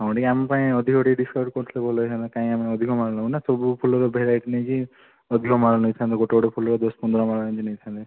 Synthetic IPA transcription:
ɦãw̃ɖiamepaĩɔd̪ʱikɔʈiɖiskaʈ̚kɔʈt̪ʰilebɔlɔjt̪ʰãnt̪ekaĩameɔd̪ʱikɔmaɾɔlaũnasɔbupʰulɔɾɔbʱeɾajʈinẽki | ɔd̪ʱikɔmaɾɔnɔjt̪ʰãnt̪eɡɔʈeɡɔʈepʰulɔɾɔd̪ɔspɔnd̪ɾɔmaɽãd͡ʒinɔjt̪ʰant̪e

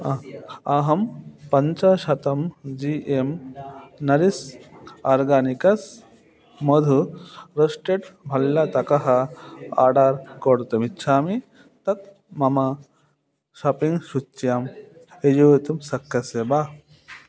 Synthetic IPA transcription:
ɐɦɐmpɐɲt͡ʃɐʃɐt̪ɐmd͡ʒiːʔem | nɐɾisaːɾɡaːnikɐs | mɐd̪ʱuɾɐsʈeʈbʱɐlːɐt̪ɐkɐɦɐa̰ːɖaːɾkoɽt̪ɐmitːt͡ʃʰaːmi | t̪ɐt̪ | mɐmɐ | ʃaːpiŋɡʃut͡ʃːjaːm | ejoːʋet̪umsɐkʰːɐsebaː

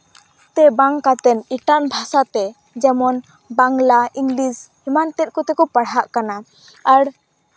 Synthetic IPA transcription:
t̪ɛbaŋkat̪ɛniʈanbʱasat̪ɛ | d͡ʒɛmɔn | baŋlaiŋɡlishimant̪ɛt̪̚ˀkɔt̪ɛkɔpəɽaʔkana | aɽ

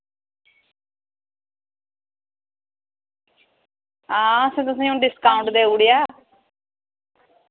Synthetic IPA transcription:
ãːəsẽːt̪ʊsẽːũːɖɪskaːʊ̃ɳʈd̪eːuɽijaː

